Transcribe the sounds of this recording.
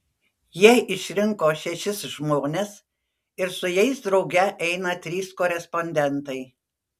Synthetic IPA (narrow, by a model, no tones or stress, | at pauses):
jiɛʔɪʃʲɾʲɪŋkoːʃʲɛʃʲɪsʒmoːnʲes | ɪɾsʊjɛɪsd̪ɾɒʊɡʲɛʔɛɪnɐt̪ʲɾʲiːskoːɾʲɛspɔnʲd̪ʲɛnt̪ɐɪ